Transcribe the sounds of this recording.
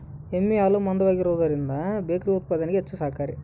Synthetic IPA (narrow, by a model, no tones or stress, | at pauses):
emːiaːlumɐnd̪ɐʋaːɡiɾoːd̪ɐɾind̪ɐbeːkɾiɐut̪̚paːd̪ɐniɡeet͡ʃːusaːkaːɾi